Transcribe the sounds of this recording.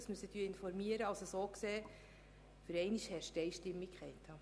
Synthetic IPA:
smysət̪yːɪnfɔɾmiəɾəɑlsəsoːkseː | fəɾɛɪniʃhɛʃtɛɪʃtɪmːikʰχɛɪt̪ʰɑː

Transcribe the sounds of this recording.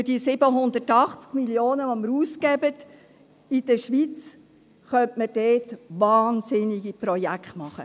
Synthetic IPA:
fyd̥iːsɪbəɦʊnd̪ətɑχt͡skmiljoːnəʋoməɾuːskɛbət | id̥əʃʋit͡s | χœntməd̥eːtvɑːnsɪnɪɡipɾɔjækχtmɑχə̰

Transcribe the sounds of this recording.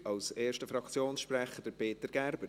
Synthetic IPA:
ɑlseːɾʃtəfɾɑkt͡sjoːnsʃpɾɛχəd̥əpeːtəɾɡ̥æɾbəɾ

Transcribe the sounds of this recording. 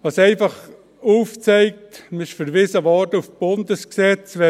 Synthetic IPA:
ʋɑsɛɪfɑχ | uːft͡sɛɪk̚tmɪʃfyɾʋɪsəʋɑdufb̥ʊndəsksɛt͡sʋɛ

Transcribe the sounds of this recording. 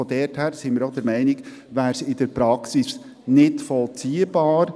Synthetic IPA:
ɔdɛɾthæːɾsɪnmɪɾɔd̥əɾmɛɪnɪɡ | ʋæːɾsɪd̥əɾpɾɑksis | nɪtfɔlt͡siːəb̥ɑːɾ

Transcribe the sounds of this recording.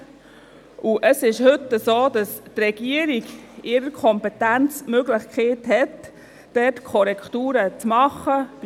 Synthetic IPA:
ʔuʔəsɪʃhʏt̪ːəsoːdɑstrɛɡ̥iəɾiɡɪɾəɾkʰɔmpɛt̪ænt͡smøɡlɪχkχeːthɛt | d̥ɛtkʰɔɾɛktuːɾət͡smɑχəb̥

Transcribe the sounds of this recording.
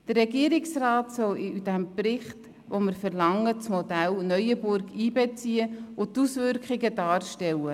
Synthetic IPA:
d̥ərɾɛɡiəɾɪksrɑːtsɔwd̥æmprɪχt | ʋoməɾfəɾlɑŋːət͡smɔdælnœʏjəbʊɾɡiːbɛt͡siəʊt̪usʋʏɾkχɪɡəd̥ɑːɾʃtɛwə

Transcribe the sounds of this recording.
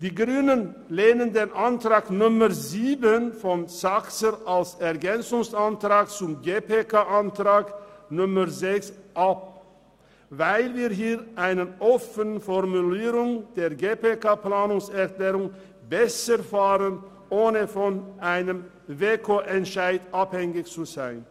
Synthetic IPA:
d̥iːɡʁyːnən | leːnəndeːnʔantʁ̥aːknʊməʁziːbənfɔnsaksəɾalsɛʁɡɛnt͡sʊŋsantʁaːk̚t͡sʊmɡeːpeːkʰaʔantʁaːknʊməʁzɛksʔap̚ | vaɪlviːɐɦiːʁʔaɪnənʔɔfənfɔʁmuliːʁʊŋd̥eːɐɡeːpekaplaːnʊŋsɛɐkleːʁʊŋ | bɛsəʁfaːʁən | ʔoːnəfɔnʔaɪnəm | veːkʰoːʔɛntʃaɪdʔaphɛŋɪçt͡suzaɪn

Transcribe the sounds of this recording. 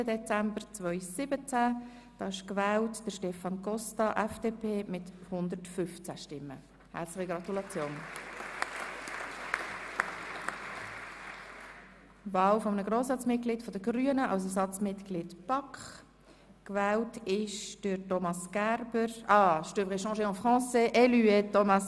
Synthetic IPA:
ədɛt͡sæmbəɾt͡svœʏsɪbət͡sæ | d̥ɑːɪʃkvɛːltd̥əʃtɛfɑnɡɔstɑʔɛfd̥eːpʰeːmɪthʊnd̪əɾtfʏft͡sæʃtɪmːə̰ | hɛ̰ɾslɪχiɡɾɑt̪ulɑt͡sjoːn | vɑːwfɔmənəɡʁoːsɑt͡smɪt̚ɡ̥liːtfɔd̥əɡɾyənəʔɑ̰ws̬ɛsɑt͡smɪtɡ̥lɪtpɑkχ | kvɛːltɪʃd̥øɾtɔmɑsɡ̥æɾbəɾɑːʃtøbʁɪʃɑ̃ʃeɔ̃fʁɑ̃ːseʔɛlyɛtomɑs

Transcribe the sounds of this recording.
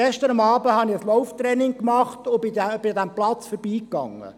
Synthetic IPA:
ɛʃtəɾɑmɑːbəhɑnɪəslɔwft̪ɾɛnɪŋkmɑχtʊbɪæb̥ɪd̪æmplɑt͡sfɔɾbiːkːɑ̰ŋːə̰

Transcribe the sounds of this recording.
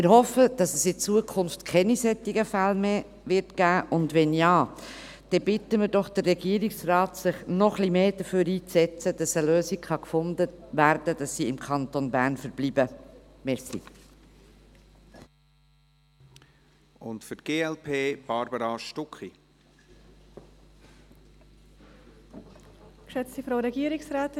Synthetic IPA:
mɪɾɦɔfəd̥ɑsɛsɪt͡suəkʰʊnftkʰɛnisɛt̪ːɪɡəfælmeː | ʋɪɾtɡ̥æːʔʊndʋɛnjɑː | d̥ɛbɪtəmɪdɔχd̥ərːɛɡiːəɾɪksrɑːtsɪχnɔχlimeːd̥əføːɾiːt͡sɛt͡sədɑsəløːsikχɑkfʊndəʋæɾd̥əd̥ɑsːiɪmkʰɑnt̪onbæːɾnfəɾb̥libə | mɛsḭ | ʊntfʏtɡ̥eːɛlpʰeːb̥ɑɾbəɾɑʃtʊkχi | kʃɛt͡stifɾaʊɾɛɡiəɾɪksɾaːt̪

